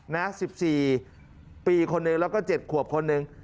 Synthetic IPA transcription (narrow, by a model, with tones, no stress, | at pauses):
na˦˥si˨˩p̚siː˨˩ | piː˨˧kʰo˧nːɯ˨˧ŋlɛː˦˥wkɔː˥˩t͡ɕe˨˩t̪̚kʰu˨˩əp̚kʰo˧nːɯ˨˧ŋ